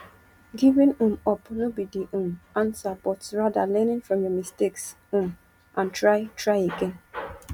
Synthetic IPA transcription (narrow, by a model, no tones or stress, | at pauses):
ɡivĩnũmɔpnobidiʔũmãnsabɔtsɹadalɛnɪ̃nfɹɔ̃mjəmisteks | ũm | ʔãntɹaɪtɹaɪiken